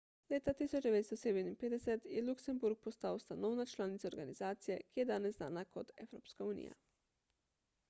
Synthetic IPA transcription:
leːt̪at̪isɔd͡ʒd̪ɛʋeːt̪st̪ɔseːd̪ɛminpeːd̪ɛsɛt̪jɛluksɛmbuɾk̚pɔst̪awst̪anɔːwnat͡ʃlaːnit̪saoɾɡanizaːt̪sijɛkijɛd̪aːnɛzna̰ːnakot̪ɛwɾoːpskauːnḭja̰

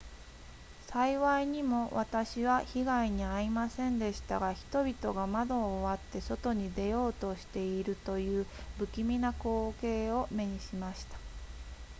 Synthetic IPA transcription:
saiβaiɲ̟imo̞βat̪aɕiβaçiɡaiɲ̟iaɾʲimasẽ̞nd̪e̞ɕi̥t̪aɡaçi̥t̪o̞bʲit̪o̞ɡamad̪o̞ːβat̪ːe̞so̞t̪o̞ɲ̟id̪e̞jo̞ːt̪o̞ɕi̥t̪e̞iɾɯ̟t̪o̞jɯ̟ːbɯ̟kʲimʲinako̞ːke̞ːo̞me̞ɲ̟iɕimaɕi̥t̪ḁ

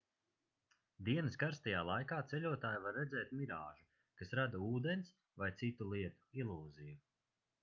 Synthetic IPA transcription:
d̪iɛnɨskaɾst̪ajaːlˠajkaːt̪sɛʎʲuɔt̪aːjvaɾːɛzɛːt̪̚miɾaːʒu | kasɾad̪auːd̪ɛns | vajt̪sit̪ulˠiɛt̪u̥ilˠuːziju

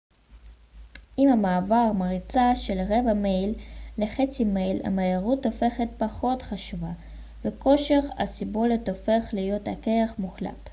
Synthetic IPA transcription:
ʔimamaːvaʁmaʁit͡saʃelʁevamejlːeχet͡simejla̰majaʁutofe̞χet̚paχo̞tχaʃuva | beko̞ʃeχa̰sibo̞let̪o̞fe̞χlijo̞takeaχmuχla̰t

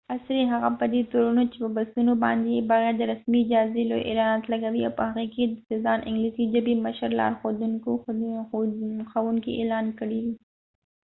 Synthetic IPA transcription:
asɾiɦaɣapəd̪et̪oɾunot͡ʃepəbast̪unobɑ̰nd̪ejebɑɣɛːɾd̪əɾasmid͡ʒɑzelojʔḛlɑnɑt̪laɡawiawpəhaɣeked̪əsezɑnʔɪŋɡlizid͡ʒabiməʃəɾlɑ̰ɾxod̪uŋko | xawuŋkiʔelɑnkəɽiwi

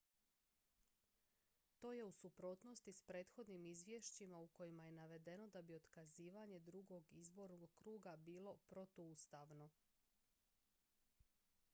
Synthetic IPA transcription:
t̪o̞ːje̞usupɾo̞ːt̪no̞st̪ispɾe̞ːt̪xo̞d̪nimizʋʲje̞ʃt͡ɕimauko̞jimaje̞naʋe̞d̪e̞no̞d̪abio̞d̪kaziːʋaɲe̞d̪ɾuɡo̞ɡizbo̞ɾnoɡkɾuːɡabiːlˠo̞pɾo̞t̪oust̪aʋno̞

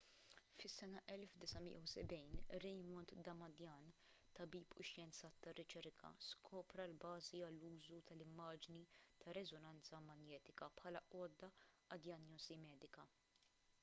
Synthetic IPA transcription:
fɪsːɛnɐʔɛlfd̪ɪsɐmɪ̰jɐwsɛbɛjnɾɛjmɔnt̪d̪ɐmɐd̪jɐːn | t̪ɐbiːpʰʊʃjɛnt͡sɐt̪ːɐrːɪt͡ʃɛɾkʰɐ̰skʰɔːpɾɐlbɐːziɐlːuːzut̪ɐlɪmːɐːd͡ʒnit̪ʰɐɾɛzɔnɐnt͡sɐmɐnjɛːt̪ɪkɐpħɐːlɐʔɔːd̪ːɐ | ɐd̪jɐnjɔzimɛːd̪ɪkɐ

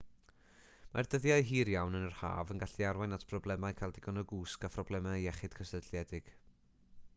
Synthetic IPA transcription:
ma̰rd̥əðjaɨɦiːɾjawnənərha̰ːvənɡaɬiaɾwajnatʰpʰrɔblˠɛmajkʰalˠdɪɡɔnɔɡuːskapʰrɔblɛmaɛχɨd̥kʰəsədljɛdɪɡ̥

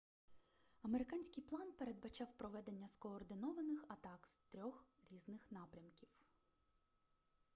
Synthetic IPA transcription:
ɐmeɾɪkɑnʲsʲkʲɪjplˠɑnpe̞ɾe̞d̪̚bɐt͡ʃɑwpɾɔʋɛd̪enʲːɐskɔːrd̪ɪnɔʋɐnɪxɐt̪ɑkz̥t̪ɾʲɔxɾʲiznɪxnɑpɾʲɐmkʲiw

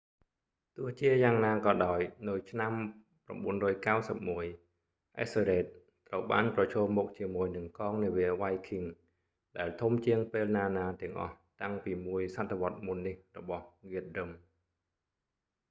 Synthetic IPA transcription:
t̪ʊəht͡ɕiəjaːŋnaːkɑːɗaɔjnɨwt͡ɕʰnam | pra̰mɓuənrɔːjkawsəp̚muəj | ʔɛ̰seɾeːt̪̚ːrəwɓaːnprɑt͡ɕʰɔːmːɔk̚t͡ɕiəmuəjnɨŋkɑːŋniəʋiəʋajkʰiŋ | ɗaɛlt̪ʰumt͡ɕiəŋpeːlnaːnaːt̪ɛ̆əŋʔɑ̰ht̪aŋpiːmuəjsat̪ʰːeʋŏət̪̚munːihrɔɓɑhɣiət̪̚dɨm

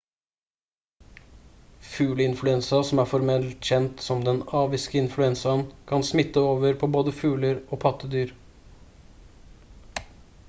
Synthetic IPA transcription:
fʉːləɪnflʉɛnsɑsɔmæːfɔɾmɛlt̪çɛnt̪sɔmd̪ɛnɑːʋɪskəɪnflʉɛnsɑnkʰɑnsmɪt̪əoːʋəɾpʰoːboːd̪əfʉːləɾoːpʰɑt̪əd̪yːɾ

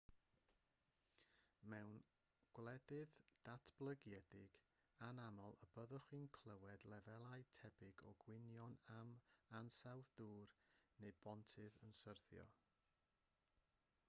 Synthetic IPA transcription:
mɛwn | ɡ̥wlˠɛdɨðd̥atʰb̥lˠəɡjɛdɪɡ | anamɔlˠəbəðɔχwinkʰlˠəwɛdlˠɛvɛlˠajtʰɛbɪɡɔɡwɪnjɔnamansawθd̥uːrnejbɔntʰɨðənsərθjɔ̰

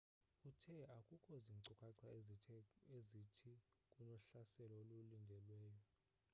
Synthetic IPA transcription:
utʰɛakʼukʰɔziŋǀukʼaǀʰa | ezitʰikʼunɔɬasɛlɔolulindʱɛlwɛːjɔ

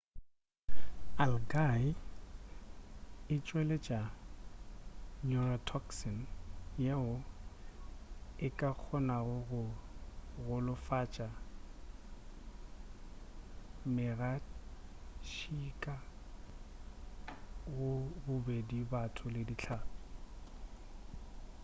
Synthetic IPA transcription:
alɡaɪ | ɪt͡ʃʼwɛlet͡ʃʼa | nuratʰɔksɔnjeʊ | ɪkʼak͡xʰɔnaɣʊɣʊ | ɣʊlʊfat͡ʃʼa | mɪɣad | ʃikʼa | ɣʊbʊbedibatʰʊlɪdit͡ɬʰaːtʼʊ̥

